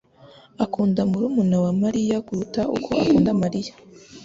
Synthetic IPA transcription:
akuːndamuɾumunawamaɾijakuɾutaʔṵkʰo̞a̰kuːndamaɾijḁ

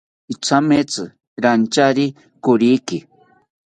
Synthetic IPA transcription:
it͡sʰamet͡sɨ | ɾant͡ʃaɾi | kʊɾiki

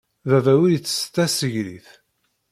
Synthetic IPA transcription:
ðævæwijət͡sːə̥st̪ːæsəʝɾḭθ

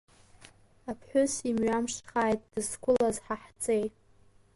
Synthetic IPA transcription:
apʰħʷᶣʊsimɥamʂχaːjtʼd̥ɨskʷʰʼʊlazħaħt͡sʼejt

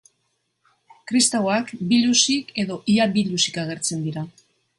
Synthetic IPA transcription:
kɾist̪awakbilusike̞ðo̞ʔiabilusi̥kaɣe̞ɾt͡se̞nd̪iɾa

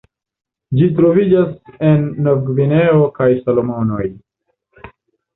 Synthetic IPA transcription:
d͡ʒit̬ɾovid͡ʒasenːoɡvineokajsalomonoj

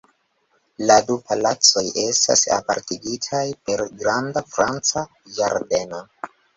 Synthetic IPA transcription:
ladupalat͡so̞je̞sta̰sa̰pa̰ɾtiɡitʰajpe̞ɾɡɾandafɾant͡sa | jaɾde̞no̞

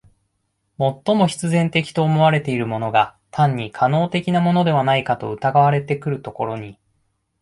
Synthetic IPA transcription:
mo̞t̪ːo̞mo̞çi̥t͡sɨzẽ̞nt̪e̞kʲi̥t̪o̞ːmo̞βaɾe̞t̪e̞iɾɯ̟mo̞no̞ɡat̪ʰãɲ̟ːikʰano̞ːt̪e̞kʲinamo̞no̞d̪e̞β̞anaikat̪o̞ɯ̟t̪aɡaβaɾe̞t̪e̞kɯ̟ɾɯ̟t̪o̞ko̞ɾo̞ɲ̟i

